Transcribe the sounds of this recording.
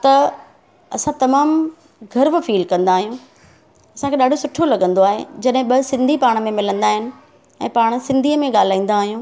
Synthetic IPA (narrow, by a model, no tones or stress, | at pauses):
t̪ɐ | ɐsãt̪ɐmaːm | ɡʱɐɾbʊ̆fiːlkɐ̃nd̪aːɦijũː | ɐsãkʰeːɗaːɖʱosʊʈʰolɐɠə̃nd̪oaːɦḛd͡ʑɐɗɦɪ̃ɓɐsɪ̃nd̪ʱipaːɽ̃mẽmɪlə̃nd̪aːɦɪnɪ̆ | ɛ̰̃ːpaːɽ̃sɪ̃nd̪ʱiːəmẽɠaːl̤aːĩːn̆d̪aːɦijũː